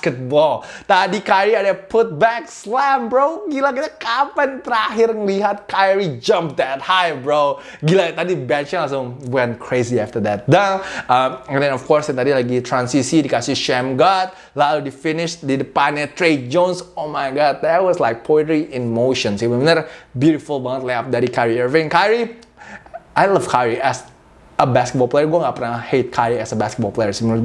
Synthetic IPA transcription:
skɛt̚bɔlt̪adikajɹiadəpʊt̪̚bɛk̚slɛmbɹowɡilaɡiakapant̪əɾaɦɪɾŋliɦat̪̚kajɹid͡ʒʌ̃mp̚tɛt̚hajbɹoʊ | ɡilat̪adibɛnt͡ʃə̃nɔs̬owɛ̃nkʰɹeziaft̪ədɛt̚daamɛ̃ndɛ̃nɔfkɔɹset̪adilak̚ɡit̪ʰɹãnsisidikasiʃɛ̃mɡɔt̪̚ | laludifinɪʃdidəpanɛt̪ɹed͡ʒõnsomajɡɔd̚dɛt̚wɔslaɪk̚pʰoɛtɹiĩnmoʃə̃nsiwĩndɛɾbjuɾifulˠbãntlaap̚dɛɾikaɹiɛvɛ̃nkaɹi | ajlʌfkʰaɹiʔɛs | əbɛskət̚bɔlˠplejəɹɡoaŋɡaʔpənahet̚kʰaɹiɛsəbɛskət̚bɔlplejə˞sim

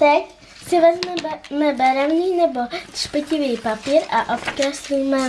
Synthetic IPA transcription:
t̪ɛc | sɪvɛzmɛmɛbɛɾɛvniːnɛbo̞t̪r̥pɪcɪviːpapiːɾʔaʔop̪kɾɛslijmɛ

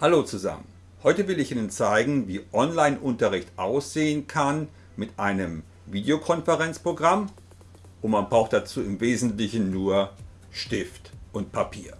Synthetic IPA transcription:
haloːt͡suza̰mən | hɔʏtəvɪlɪçʔiːnənt͡saɪɡŋ̩viːʔɔnlaɪnʔʊntɐʁɪçtʔaʊsz̥eːənkʰan | mɪtʔaɪnəm | viːdeokʰɔnfəʁɛnt͡spʁ̥oɡʁam | ʔʊntmanbʁaʊxt̚d̥at͡suːɪmveːzn̩tlɪçn̩nuːɐ | ʃtɪftʔʊnt̚pʰapʰiːɐ

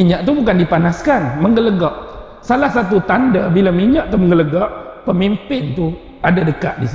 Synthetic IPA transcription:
iɲaʔt̪ubukandipanaskanməŋɡələɡɔʔ | salahsat̪̬ut̪andabilamiɲaʔt̪uməŋɡələɡɔʔpəmimpɪnt̪u | adadəkaʔ̪̚disi

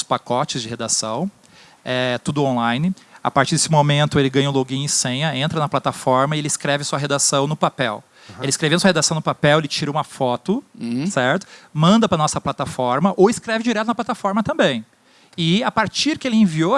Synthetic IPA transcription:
ʊspakɔt͡ʃɪzd͡ʒɪhed̪asɐ̃w̃ | ɛt̪ud̪ʊõlãjnɪa̰paɾt͡ʃiɾd̪e̥sɪmomẽnt̪ʊelɪɡɐ̃j̃ɐũloɡĩɲ̃ɪsẽɲɐẽnt̪ɾɐnɐplat̪afɔɾmɐɪelɪskɾɛvɪsuɐɦed̪asɐ̃w̃nʊpapɛw | elɪskɾevẽnd̪suɐhed̪asɐ̃w̃nʊpapɛwelɪt͡ʃiɾɐũmɐfɔt̪ʊsɛɾt̪ʊ̥mɐ̃nd̪ɐpɾɐnɔsɐplat̪afɔɾmɐʔowɪskɾɛvɪd͡ʒiɾɛt̪ʊnɐplat̪afɔɾmɐt̪ɐ̃mbẽj̃ | ɪapaɾt͡ʃiɾkɪelɪẽvio

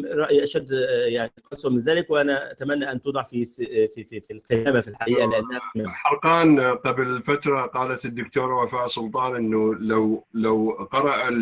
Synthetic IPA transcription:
ɾˤɑʔjʔaʃad̪ːjaʕniqɑsˤʊmɪnzæːlɪkwɪʔanæat̪amænːaʔant̪od̪ˤɑʕfisfififilqejaːmafilħaʔiːʔalɪʔanːæhmaħɑlqɑːnq̪ɑblɪlfat̪ɾˤɑqɑːlat̪ɪd̪ːʊkt̪uːɾˤwafaːʔsˤʊlt̪ˤɑːnʔɪnːʊlawlawqɑɾˤɑʔa

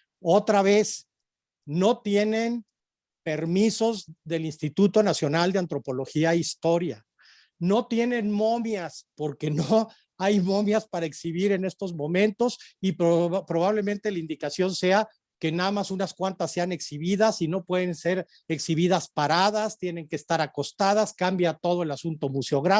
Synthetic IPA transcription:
o̞t̪ɾaβe̞s | no̞t̪je̞ne̞n | pe̞ɾmiso̞zðe̞linst̪it̪ut̪o̞nasjo̞nald̪eant̪ɾo̞po̞lo̞xiaeist̪o̞ɾja | no̞t̪je̞nẽ̞nmo̞mjaspo̞ɾke̞no | ajmo̞mjaspaɾaeksiβ̞iɾe̞ne̞st̪o̞zmõ̞mẽ̞nt̪o̞sippɾo̞β̞aβ̞le̞mẽnt̪e̞laind̪ikasjo̞nse̞a | kenaðamasunaskwant̪asːe̞ane̞ksiβiðasino̞pwe̞ðe̞nse̞ɾ | eksiβiðaspaɾaðast̪je̞ne̞ŋkeːst̪aɾako̞st̪að̞askambjat̪o̞ð̞o̞e̞lasunt̪o̞museo̞ɣɾa

